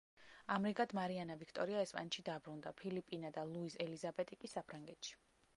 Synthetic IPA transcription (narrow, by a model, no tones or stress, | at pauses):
amɾiɡad̪maɾianavikʰt̪ʼɔɾiaɛspʼanɛt̪ʃid̪abɾund̪apʰilipʼinad̪alˠuisɛlizabɛt̪ʼikʼisapʰɾaŋɡɛt̪ʃi̥